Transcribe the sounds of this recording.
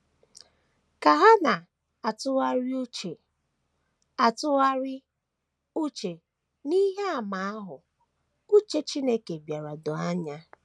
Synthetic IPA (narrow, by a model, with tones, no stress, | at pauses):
ka˨ɦa˦na˨ | a˨tʊ˦wa˦ɾi˦u˦t͡ʃe˨ | a˨tʊ˦wa˦ɾɪ˦ | u˦t͡ʃe˨ | ni˦ɦe˦a˨ma˨a˦ɦʊ˨ | u˦t͡ʃe˦t͡ʃi˦ne˦ke˨bja˨ɾa˨dʊ˨a˦ɲa˦